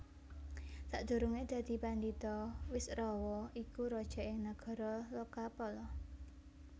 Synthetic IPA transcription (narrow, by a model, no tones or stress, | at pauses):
saʔd̪̥ṳɾuŋed̪̥ä̤d̪̥i̤pand̪it̪ɔwɪsrɔwɔʔikuɾɔd̥ʒ̥ɔ̤ʔɪŋnaɡ̥ɔ̤ɾɔlokapɔlɔ